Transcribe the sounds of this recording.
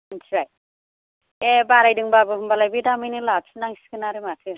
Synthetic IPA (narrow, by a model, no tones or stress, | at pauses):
nsʰiaj | ebaɾajdɯŋbabɯɦumbalajbiʈamɯjnɯlab̚sʰunaŋskɯnaɾɯmatʰɯ